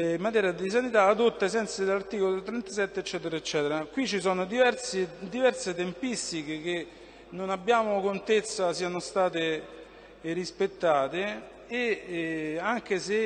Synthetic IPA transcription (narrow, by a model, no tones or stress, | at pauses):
imːat̪̬ɛːɾjad̪is̬anit̪aːd̪ot̪ːaesɛnt̪sad̪elart̪iːkolot̪ɾɛnt̪asɛt̪ːeːt͡ʃːɛːt̪eɾaet͡ʃːɛːt̪eɾakwit͡ʃːis̬ɔːnod̪ivɛɾt̪sid̪ivɛrset̪empist̪ikek̟e | nonabːjaːmokont̪et̪sːasiːanost̪aːt̪e | rispet̪ːaːt̪eː | aŋk̟ese